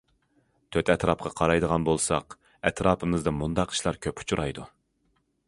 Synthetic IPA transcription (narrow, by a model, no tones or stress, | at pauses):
t̪ʰøt̪ʰɛt̪ɾɑpqɑqʰɑɾɑjd̪əʁɑnbolˠsɑ̰q | ɛt̪ɾɑːpʰɨmɨzd̪ɨmund̪ɑqi̥ʃlˠɑɾkʲʰøpu̥t͡ʃʰuɾɑjd̪u